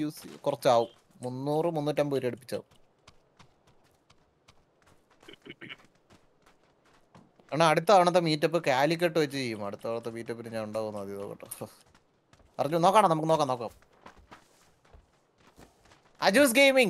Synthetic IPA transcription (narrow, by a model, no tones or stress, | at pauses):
uːskurɐt͡ɕːɨaːʋum | munːuːrɨmunːutːɐmbuːɾiɐɽupːit͡ɕːa̰ːʋum | ɐɳaɐɽut̪ːɐɐːʋɐɳɐt̪ːemiːtːɐpːoːkaːlik̬ʲːɐʈːɨʋɐt͡ɕːɨt͡ɕejːumɐɽut̪ːɐʋɳɐt̪ːemiːtːɐpːiɾuɲaːnuɳɖaːɣunːɐɐðiðo̰ːkːɐ̰ʈː | pɐrɐɲːunokːaːɳɐnɐmukːɨnokːaːmnoːkːaːm | ɐ̰d͡ʑuːs̬ɡejmiŋ